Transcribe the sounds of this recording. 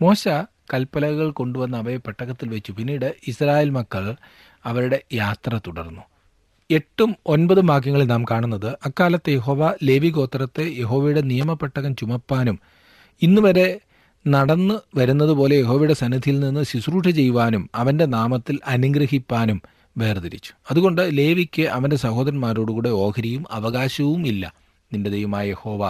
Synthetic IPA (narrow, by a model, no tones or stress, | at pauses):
mo̞ːɕɐ | kɐlpːɐlɐɣɐɭko̞ɳɖuʋɐnːɐɐʋɐɾepːɐʈːɐɣɐt̪ːilʋet͡ɕːupinːiːɽɨisraːjeːlmɐkːɐɭ | ɐʋɐɾuɽe̞jaːt̪rɐt̪uɽɐ̰rnːu | e̞ʈːumo̞nbɐðumaːk̬ːjɐŋːɐɭilnaːmkaːɳunːɐðɨʔɐkːaːlɐt̪ːejeɦo̞ːʋɐle̞ːʋiɣo̞ːt̪ːrɐt̪ːeje̞ɦo̞ːʋɐjuɽe̞nijɐmɐpːɐʈːɐɣɐmt͡ɕumɐpːaːnum | inːɨʋɐɾe̞ | nɐɽɐnːɨʋɐɾunːɐðɨpo̞ːle̞jeɦo̞ːʋɐjuɽe̞sɐnɐd̪ʱijilninːɨsisruːʂɐt͡ɕe̞jːuʋaːnumɐʋɐnde̞naːmɐt̪ːilɐnuŋɡɾɐhipːaːnum | ʋe̞ːrd̪ɐɾit͡ɕːu̥ɐðuɣo̞ɳɖɨle̞ːʋikʲːɨʔɐʋɐnde̞sɐho̞ːd̪ɐɾɐnmaːɾoːɽuɣuːɽeo̞ːkʰɐɾijumɐʋɐɣaːɕɐʋumilːɐ̰ | ninde̞d̪ejɐmaːjje̞ho̞ːʋa